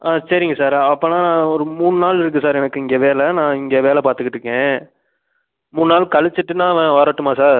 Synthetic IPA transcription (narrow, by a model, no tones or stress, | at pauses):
aːsɐɾɪŋɡɐsaːɾɐpːɐ̃naːnãːɔɾɯmuːɳɯnaːlɪɾɯk̬ːɯsaːɾɛnɐkːɯɪŋɡeːʋeːlɛnãːɪŋɡeːʋeːlɛpaːɾt̪ɯkːɪʈrɾɯkːẽː | muːɳɯnaːlkɐɭɪt͡ʃːɯʈːɯnãːɐʋɛ̃ʋɐɾɐʈːɯmaːsaːɾ